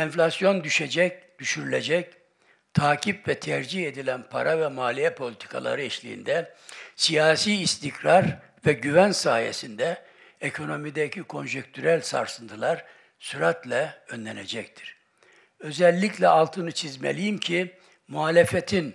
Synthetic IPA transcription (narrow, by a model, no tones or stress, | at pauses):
ɛnflʲasjo̞nd̪yʃed͡ʒɛcd̪̥yʃyɾylʲed͡ʒɛc | t̪ʰaːcʰipvɛt̪ʰɛɾd͡ʒihe̞d̪ilʲænpʰa̰ɾavɛmaːlʲijɛpʰo̞lʲit̪ʰi̥kʰa̰lˠa̰ɾɯɛʃlʲḭjḭnd̪ɛsijaːsiːst̪ʰicɾaɾ | vɛɟyvænsaːjḛsind̪ɛ | ekʰo̞no̞mid̪ɛcʰikʰo̞nʒek̚t̪ʰyɾælʲsa̰ɾsɯnt̪ʰɯlˠaɾ | syɾat̪lʲɛønlʲɛned͡ʒɛct̪ʰi̥ɾ̥ | ø̞zɛlʲːiclʲɛalˠt̪ʰɯnɯt͡ʃʰizmḛlʲijimcʰi | muaːlʲefet̪ʰin